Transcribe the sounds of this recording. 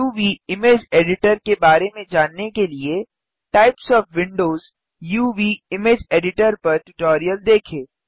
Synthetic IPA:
juːʋiːɪmeːd͡ʒeːɖɪʈəɾkebaːɾemẽd͡ʒaːnːekelie | ʈaːɪpsɔːfʋɪ̃ɳɖoːz | juːʋiːɪmeːd͡ʒeːɖɪʈəɾpɐɾʈʊʈɔːɾijəld̪eːkʰeː

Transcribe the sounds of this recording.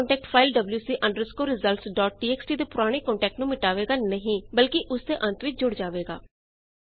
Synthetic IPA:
ɳʈɛːk̚ʈpʰaːilɖəbljuːsiːʔə̃ɳɖəɾskoːɾɪzəlsɖɔːʈ̚ɖiːɛːksʈiːd̪eːpʊɾaːɽ̃eːkɔ̃ːɳʈɛːk̚ʈnũːmɪʈaːʋeːɡaːnəɦĩːbəlkɪʔʊsd̪eːʔə̃nt̪ʋɪt͡ʃd͡ʒʊɽd͡ʒaːʋeːɡa̰ː

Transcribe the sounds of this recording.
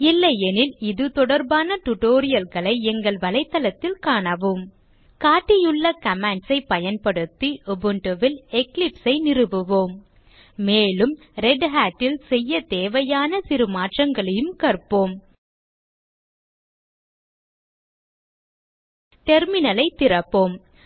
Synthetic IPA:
ɪlːɐjɛnɪlɪðɯt̪ɔɽɐɾbaːnɐʈʊʈoːɾɪjɐlɣɐɭɐɪɛŋɡɐɭʋɐlɐɪt̪ːɐlɐt̪ːɪlkaːɳɐʋɯm | kaːʈːɪjɯɭːɐkɐmaɳɖsɐɪpɐjɐnpɐɽɯt̪ːɯʔɔbɯɳʈɯʋɪlɛklɪpsɐɪnɪrɯʋɯʋoːmː | eːlɯm | ɾɛɖɦaːʈːɪlsɛjːɐt̪eːʋɐjaːnɐsɪɾɯmaːʈrɐŋɡɐɭɐjɯmkɐɾpːoːm | ʈɛɾmɪnɐlɐɪt̪ːɪrɐpːoːm

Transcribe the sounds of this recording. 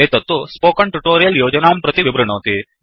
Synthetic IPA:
eːt̪ɐt̪ːuspoːkɐɳʈuʈoːɾijɐljoːd͡ʒɐnaːmpɾɐt̪iʋibɾɐɳoːt̪i

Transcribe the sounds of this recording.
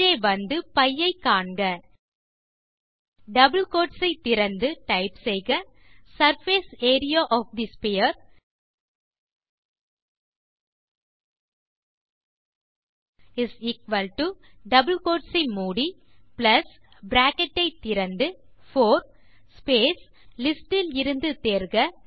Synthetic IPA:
eːʋɐnd̪ɯpɐjːɐɪkːaːɳɡɐ | ɖɐbəlkoːʈsɐɪt̪ːɪɾɐnd̪ɯʈɐɪpsɛɪɣɐ | sɐɾfeːseːɾɪjaʔɔːfd̪ispejɐɾ | ɪsiːkʋɐlʈuɖɐbəlkoːʈsɐɪmuːɽi | plɐs | bɾaːkɛʈːɐɪt̪ɪɾɐnd̪ɯfoːɾ | speːs | lɪsʈɪlɪɾɯnd̪ɯt̪eːɾɣɐ

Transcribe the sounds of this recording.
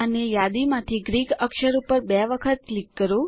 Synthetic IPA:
ənejad̪imãt̪ʰiɡɾiɡəkʃəɾupəɾbɛʋəkʰət̪̚klikːəɾu

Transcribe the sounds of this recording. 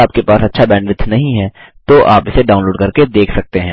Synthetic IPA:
aːp̚kepaːsɐtːʃʰabɛ̃ːɳɖʋɪt̪ʰːnɐɦĩɦɛ̃ːt̪oʔaːpɪseɖaːʊ̃nloːɖkɐɾked̪eːkʰsɐk̚t̪eɦɛ̃ː

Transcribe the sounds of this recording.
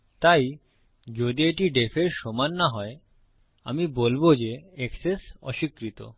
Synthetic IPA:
t̪aj | d͡ʑod̪ieʈiɖefʰeɾʃɔmanːaɦɔe | amibolbod͡ʑeɛksesɔ̰ʃikɾit̪o̰

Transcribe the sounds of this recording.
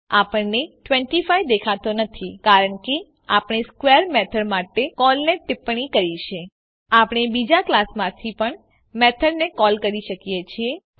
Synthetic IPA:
apəɳneʈʋɛ̃ɳʈifajd̪ekʰat̪onət̪ʰikaɾəɳke | apɳ̃eskwʋeəɾmɛt̪ʰəɽmaʈekɔlnet̪ɪpɳikəɾit͡ʃʰe | apɳ̃ebid͡ʒaklasmãt̪ʰipəɳ | mɛt̪ʰəɽnekɔlkəɾiʃəkijet͡ʃʰie

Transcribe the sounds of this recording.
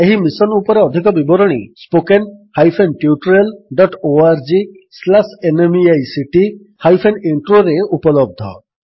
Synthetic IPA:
eɦimisɔnupɔɾeɔd̪ʱikɔbibɔɾɔɽ̃ḭspokenhajpʰenʈjuʈɾelɖɔʈoaɾd͡ʒi | slasenemiajsiʈi | hajpʰeniɳʈɾoɾeupɔlɔb̚d̪ʱɔ̰

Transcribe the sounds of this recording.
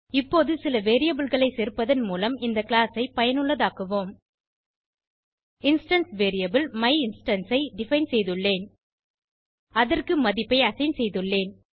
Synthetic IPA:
ɪpːoːðɯsɪlɐʋeːɾɪjɐbɪlɣɐɭɐɪseːɾpːɐðɐnmuːlɐmɪnd̪ɐkɪlaːsɐɪpɐjɐnɯɭːɐðaːkɯʋoːm | ɪnsʈɐnsʋeːɾɪjɐbɪlmɐɪɪnsʈɐnsɐɪɖɪfɐɪnsɛjðɯɭːeːn | ɐðɐrkɯmɐðɪpːɐɪɐsɐɪnsɛjðɯɭːeːn

